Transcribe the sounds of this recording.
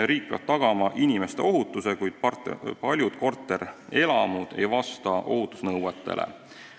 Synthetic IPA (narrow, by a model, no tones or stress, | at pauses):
ɾiːk̚pḛb̥t̪ɑɡ̥ɑmɑʔinʲimest̪e̞o̞ɦut̪ːˑuse̞kujd̪̥̚ppɑlʲjud̪̥ko̞rt̪ˑːe̞ɾe̞lɑmud̪̥e̞jvɑst̪ɑʔo̞̰ɦut̪ːˑu̥snɤwwet̪ːˑe̞̰lḛ